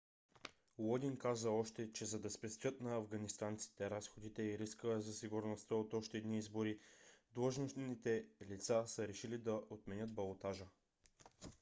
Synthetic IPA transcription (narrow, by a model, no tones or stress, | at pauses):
wˠɔd̪inkazəɔʃt̪ɛt͡ʃɛzɐd̪ɐspɛst̪vʲɤt̪nɐɐvɡɐnist̪ant̪si̥t̪ɛɾasxod̪it̪ɛiɾiskəɛzɐsiɡuɾnost̪əot̪ɔʃt̪ɛːd̪niizboɾid̪lˠəʒnosnit̪ɛlit̪sasəɾɛʃilid̪ɐʔot̪mɛnʲɤt̪̚bɐlˠot̪aʒə